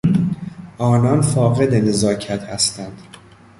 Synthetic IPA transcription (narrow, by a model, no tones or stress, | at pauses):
ʔɒːnɒnfɒːɣe̞d̪enezɒːcʰæt̪hæst̪ænd̪̥